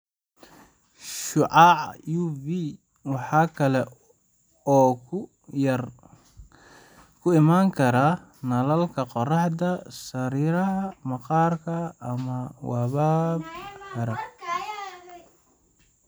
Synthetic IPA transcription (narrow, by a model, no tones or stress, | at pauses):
ʃʊʕɑʕjuvi | wɑħɑːkʰɐlɛ | ɔːkʰ | jɐr | kʰʊɪmaːŋkʰɐɾa | nɐlɐlkʰɐqɔrɑħd̪ɐsɐɾiːɾɐɦɐmɐqɑːrkʰɐːmɐwɑβaːbhɐɾɐ